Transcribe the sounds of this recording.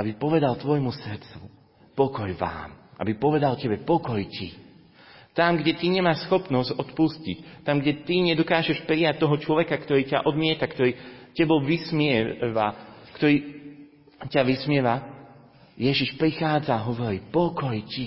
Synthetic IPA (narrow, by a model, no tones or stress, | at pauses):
ʔabipɔʋɛd̪alt̪ʋɔjmusr̩t͡su | pɔkɔjʋa̰ːmʔa̰bipɔʋɛd̪alcɛbɛpɔkɔjcḭ | t̪amɡɟɛt̪iɲɛmaːʃsxɔpnɔzɟɔt̪puscict̪amɡɟɛt̪iɲɛd̪ɔkaːʒɛʃpɾijac̚t̪ɔɦɔt͡ʃlɔʋɛkakt̪ɔɾiːca̰ʔɔd̪mɪɛt̪akt̪ɔɾiːcɛbɔʋismɪɛʋakt̪ɔɾiː | caʋismɪɛʋa | jɛʒiʃpɾixaːd͡zaːɦɔʋɔɾipɔkɔjci